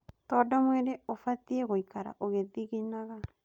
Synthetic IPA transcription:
t̪ɔdɔmweɾeofat̪ieɣoikaɾa̰ʔoɣeðiɣinaɣa

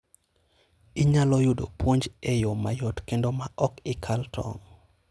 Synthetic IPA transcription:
iɲalɔjʊdo̰pwoɲd͡ʒejomajɔtkendomaʔɔkɪkʰaltʰɔ̰ŋ

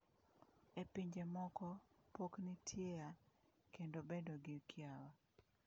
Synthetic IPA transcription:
epiɲd͡ʒemɔkɔpoknitʰjeja | kendobendoɡɪkʰjawa

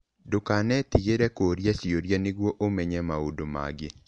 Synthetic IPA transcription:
dokanɛt̪iɡeɾɛkoɾjasioɾjanɪɡwoʔomeɲɛmaodoma̰ɡɪ

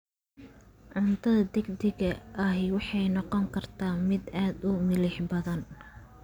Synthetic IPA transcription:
ʕʊnt̪ʰɐðɐd̪ɛɡd̪ɪɡɐʔɐɦɪwɑħɑjnɔqɔŋkʰɐrt̪ʰaːmɪd̪aːd̪ʊmɪlɪħbɐðɐn

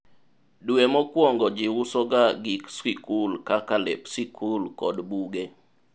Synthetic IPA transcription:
dwemɔkwɔŋɡɔd͡ʒɪwʊsɔɡaɡiksikulkakalḛpsikʰulkɔdbuɡe

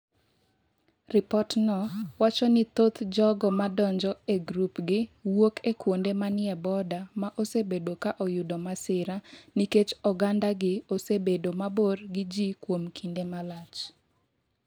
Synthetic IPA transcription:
rɪpɔtnɔwat͡ʃɔnɪt̪ot̪d͡ʒɔɡɔmadɔɲd͡ʒɔeɡɾupɡɪwokʰekwondemanɪɛbɔdamaʔosebedokaʔɔjʊdɔmasɪɾaniket͡ʃɔɡandaɡɪosebedomaboɾɡɪd͡ʒikwomkʰindemalat͡ʃ

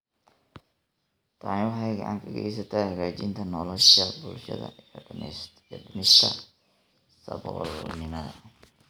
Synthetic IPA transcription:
t̪ʰaʕnwɑħɑjɡɐʕa̰ːŋkʰɐɡɐɛ̰js̬ɐt̪ʰɐjhɐɣaːt͡ʃɪnt̪ʰɐnɔlɔʃɐbʊlʃɐ̰ðɐ̰ijɔɖiɖɪmɪʃʰɐ̰ | sɐ̰bɔːlnɪmɐðɐ̰

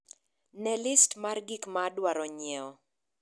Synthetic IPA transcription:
nɛlɪstmarɡikmaːdwaɾɔɲɛɔ

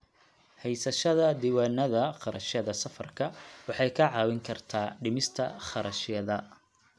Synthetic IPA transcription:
hɛjsɐʃɐðɐd̪iːwɑːnɐðɐχɑɾɐ̰ʃjɐðɐsɐfɐrkʰɐwɑħɑjkʰɐʕɑːwɪŋkʰɐrt̪ʰaːɖɪmɪst̪ʰɐχɑɾʔɐʃɪjɐðɐ

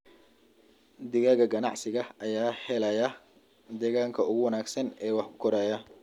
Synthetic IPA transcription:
d̪ɪɣaɣɐɡɐnɑ̰ʕsɪɣɐʔɐjaːhɛlɐjɐ | d̪ɛːɣaːŋkʰɐʊɣʊwɑnaːɡsɐnɛːwɑħkʰʊ̥kʰɔɾaːjɐ

